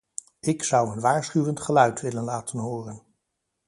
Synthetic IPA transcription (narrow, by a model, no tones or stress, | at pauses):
ɪksʌwənʋaːɹsχyʋəntχəlœɥtʋɪlənlaːtənɦoːrən